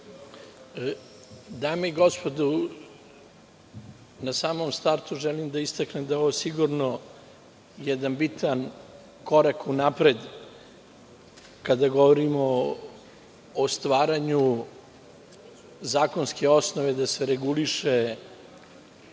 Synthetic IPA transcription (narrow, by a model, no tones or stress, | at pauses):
d̪ameiɡo̞spo̞d̪u | nasaːmomst̪aɾt̪uʒɛlimd̪aist̪aknemd̪aoʋosiɡuɾno | jɛd̪anbit̪an | ko̞ɾakunapɾed̪ | kad̪aɡo̞ʋoɾimo | st̪ʋaːɾaɲu | zaːko̞nske̞o̞snoʋe̞d̪aseɾeɡuliʃe